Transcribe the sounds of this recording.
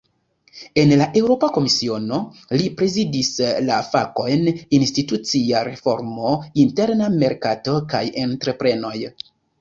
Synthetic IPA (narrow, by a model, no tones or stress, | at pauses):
e̞nlaʔe̞wɾo̞pako̞misio̞no̞lipɾe̞zidislafa̰ko̞jninstitut͡siaɾe̞fo̞̰ɾmo̞inte̞ɾname̞ɾkato̞ka̰jentɾe̞pɾe̞no̞j